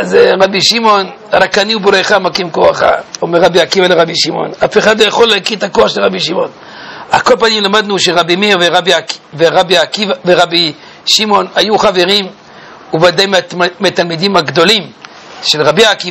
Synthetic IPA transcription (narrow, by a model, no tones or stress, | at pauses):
azʁabiʃimo̞n | ʁakaniubɾeχamakimkoaχa̰omeʁabiakivaleʁabiʃimo̞̰nafeχad̪lojaχoleakit̪akoaχʃelʁabiʃimo̞̰n | akolpanimlamad̪nuʃeʁabimiʁveʁabiakveʁabiakivaveʁabi | ʃimo̞najuχave̞ʁim | uvad̪ajmmiat̪almid̪imhaɡd̪o̞lim | ʃelʁabiakiva